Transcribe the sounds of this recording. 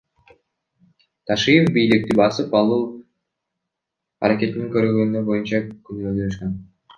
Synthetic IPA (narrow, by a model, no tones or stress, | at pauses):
t̪ʰɑʃijefbijlik̚t̪ibɑsɯpɑlˠɯlˠ | ɑ̰ɾake̞t̪iniŋkøɾɡønynøbo̞junt͡ʃɑkynyɡøzd̪løʃkøn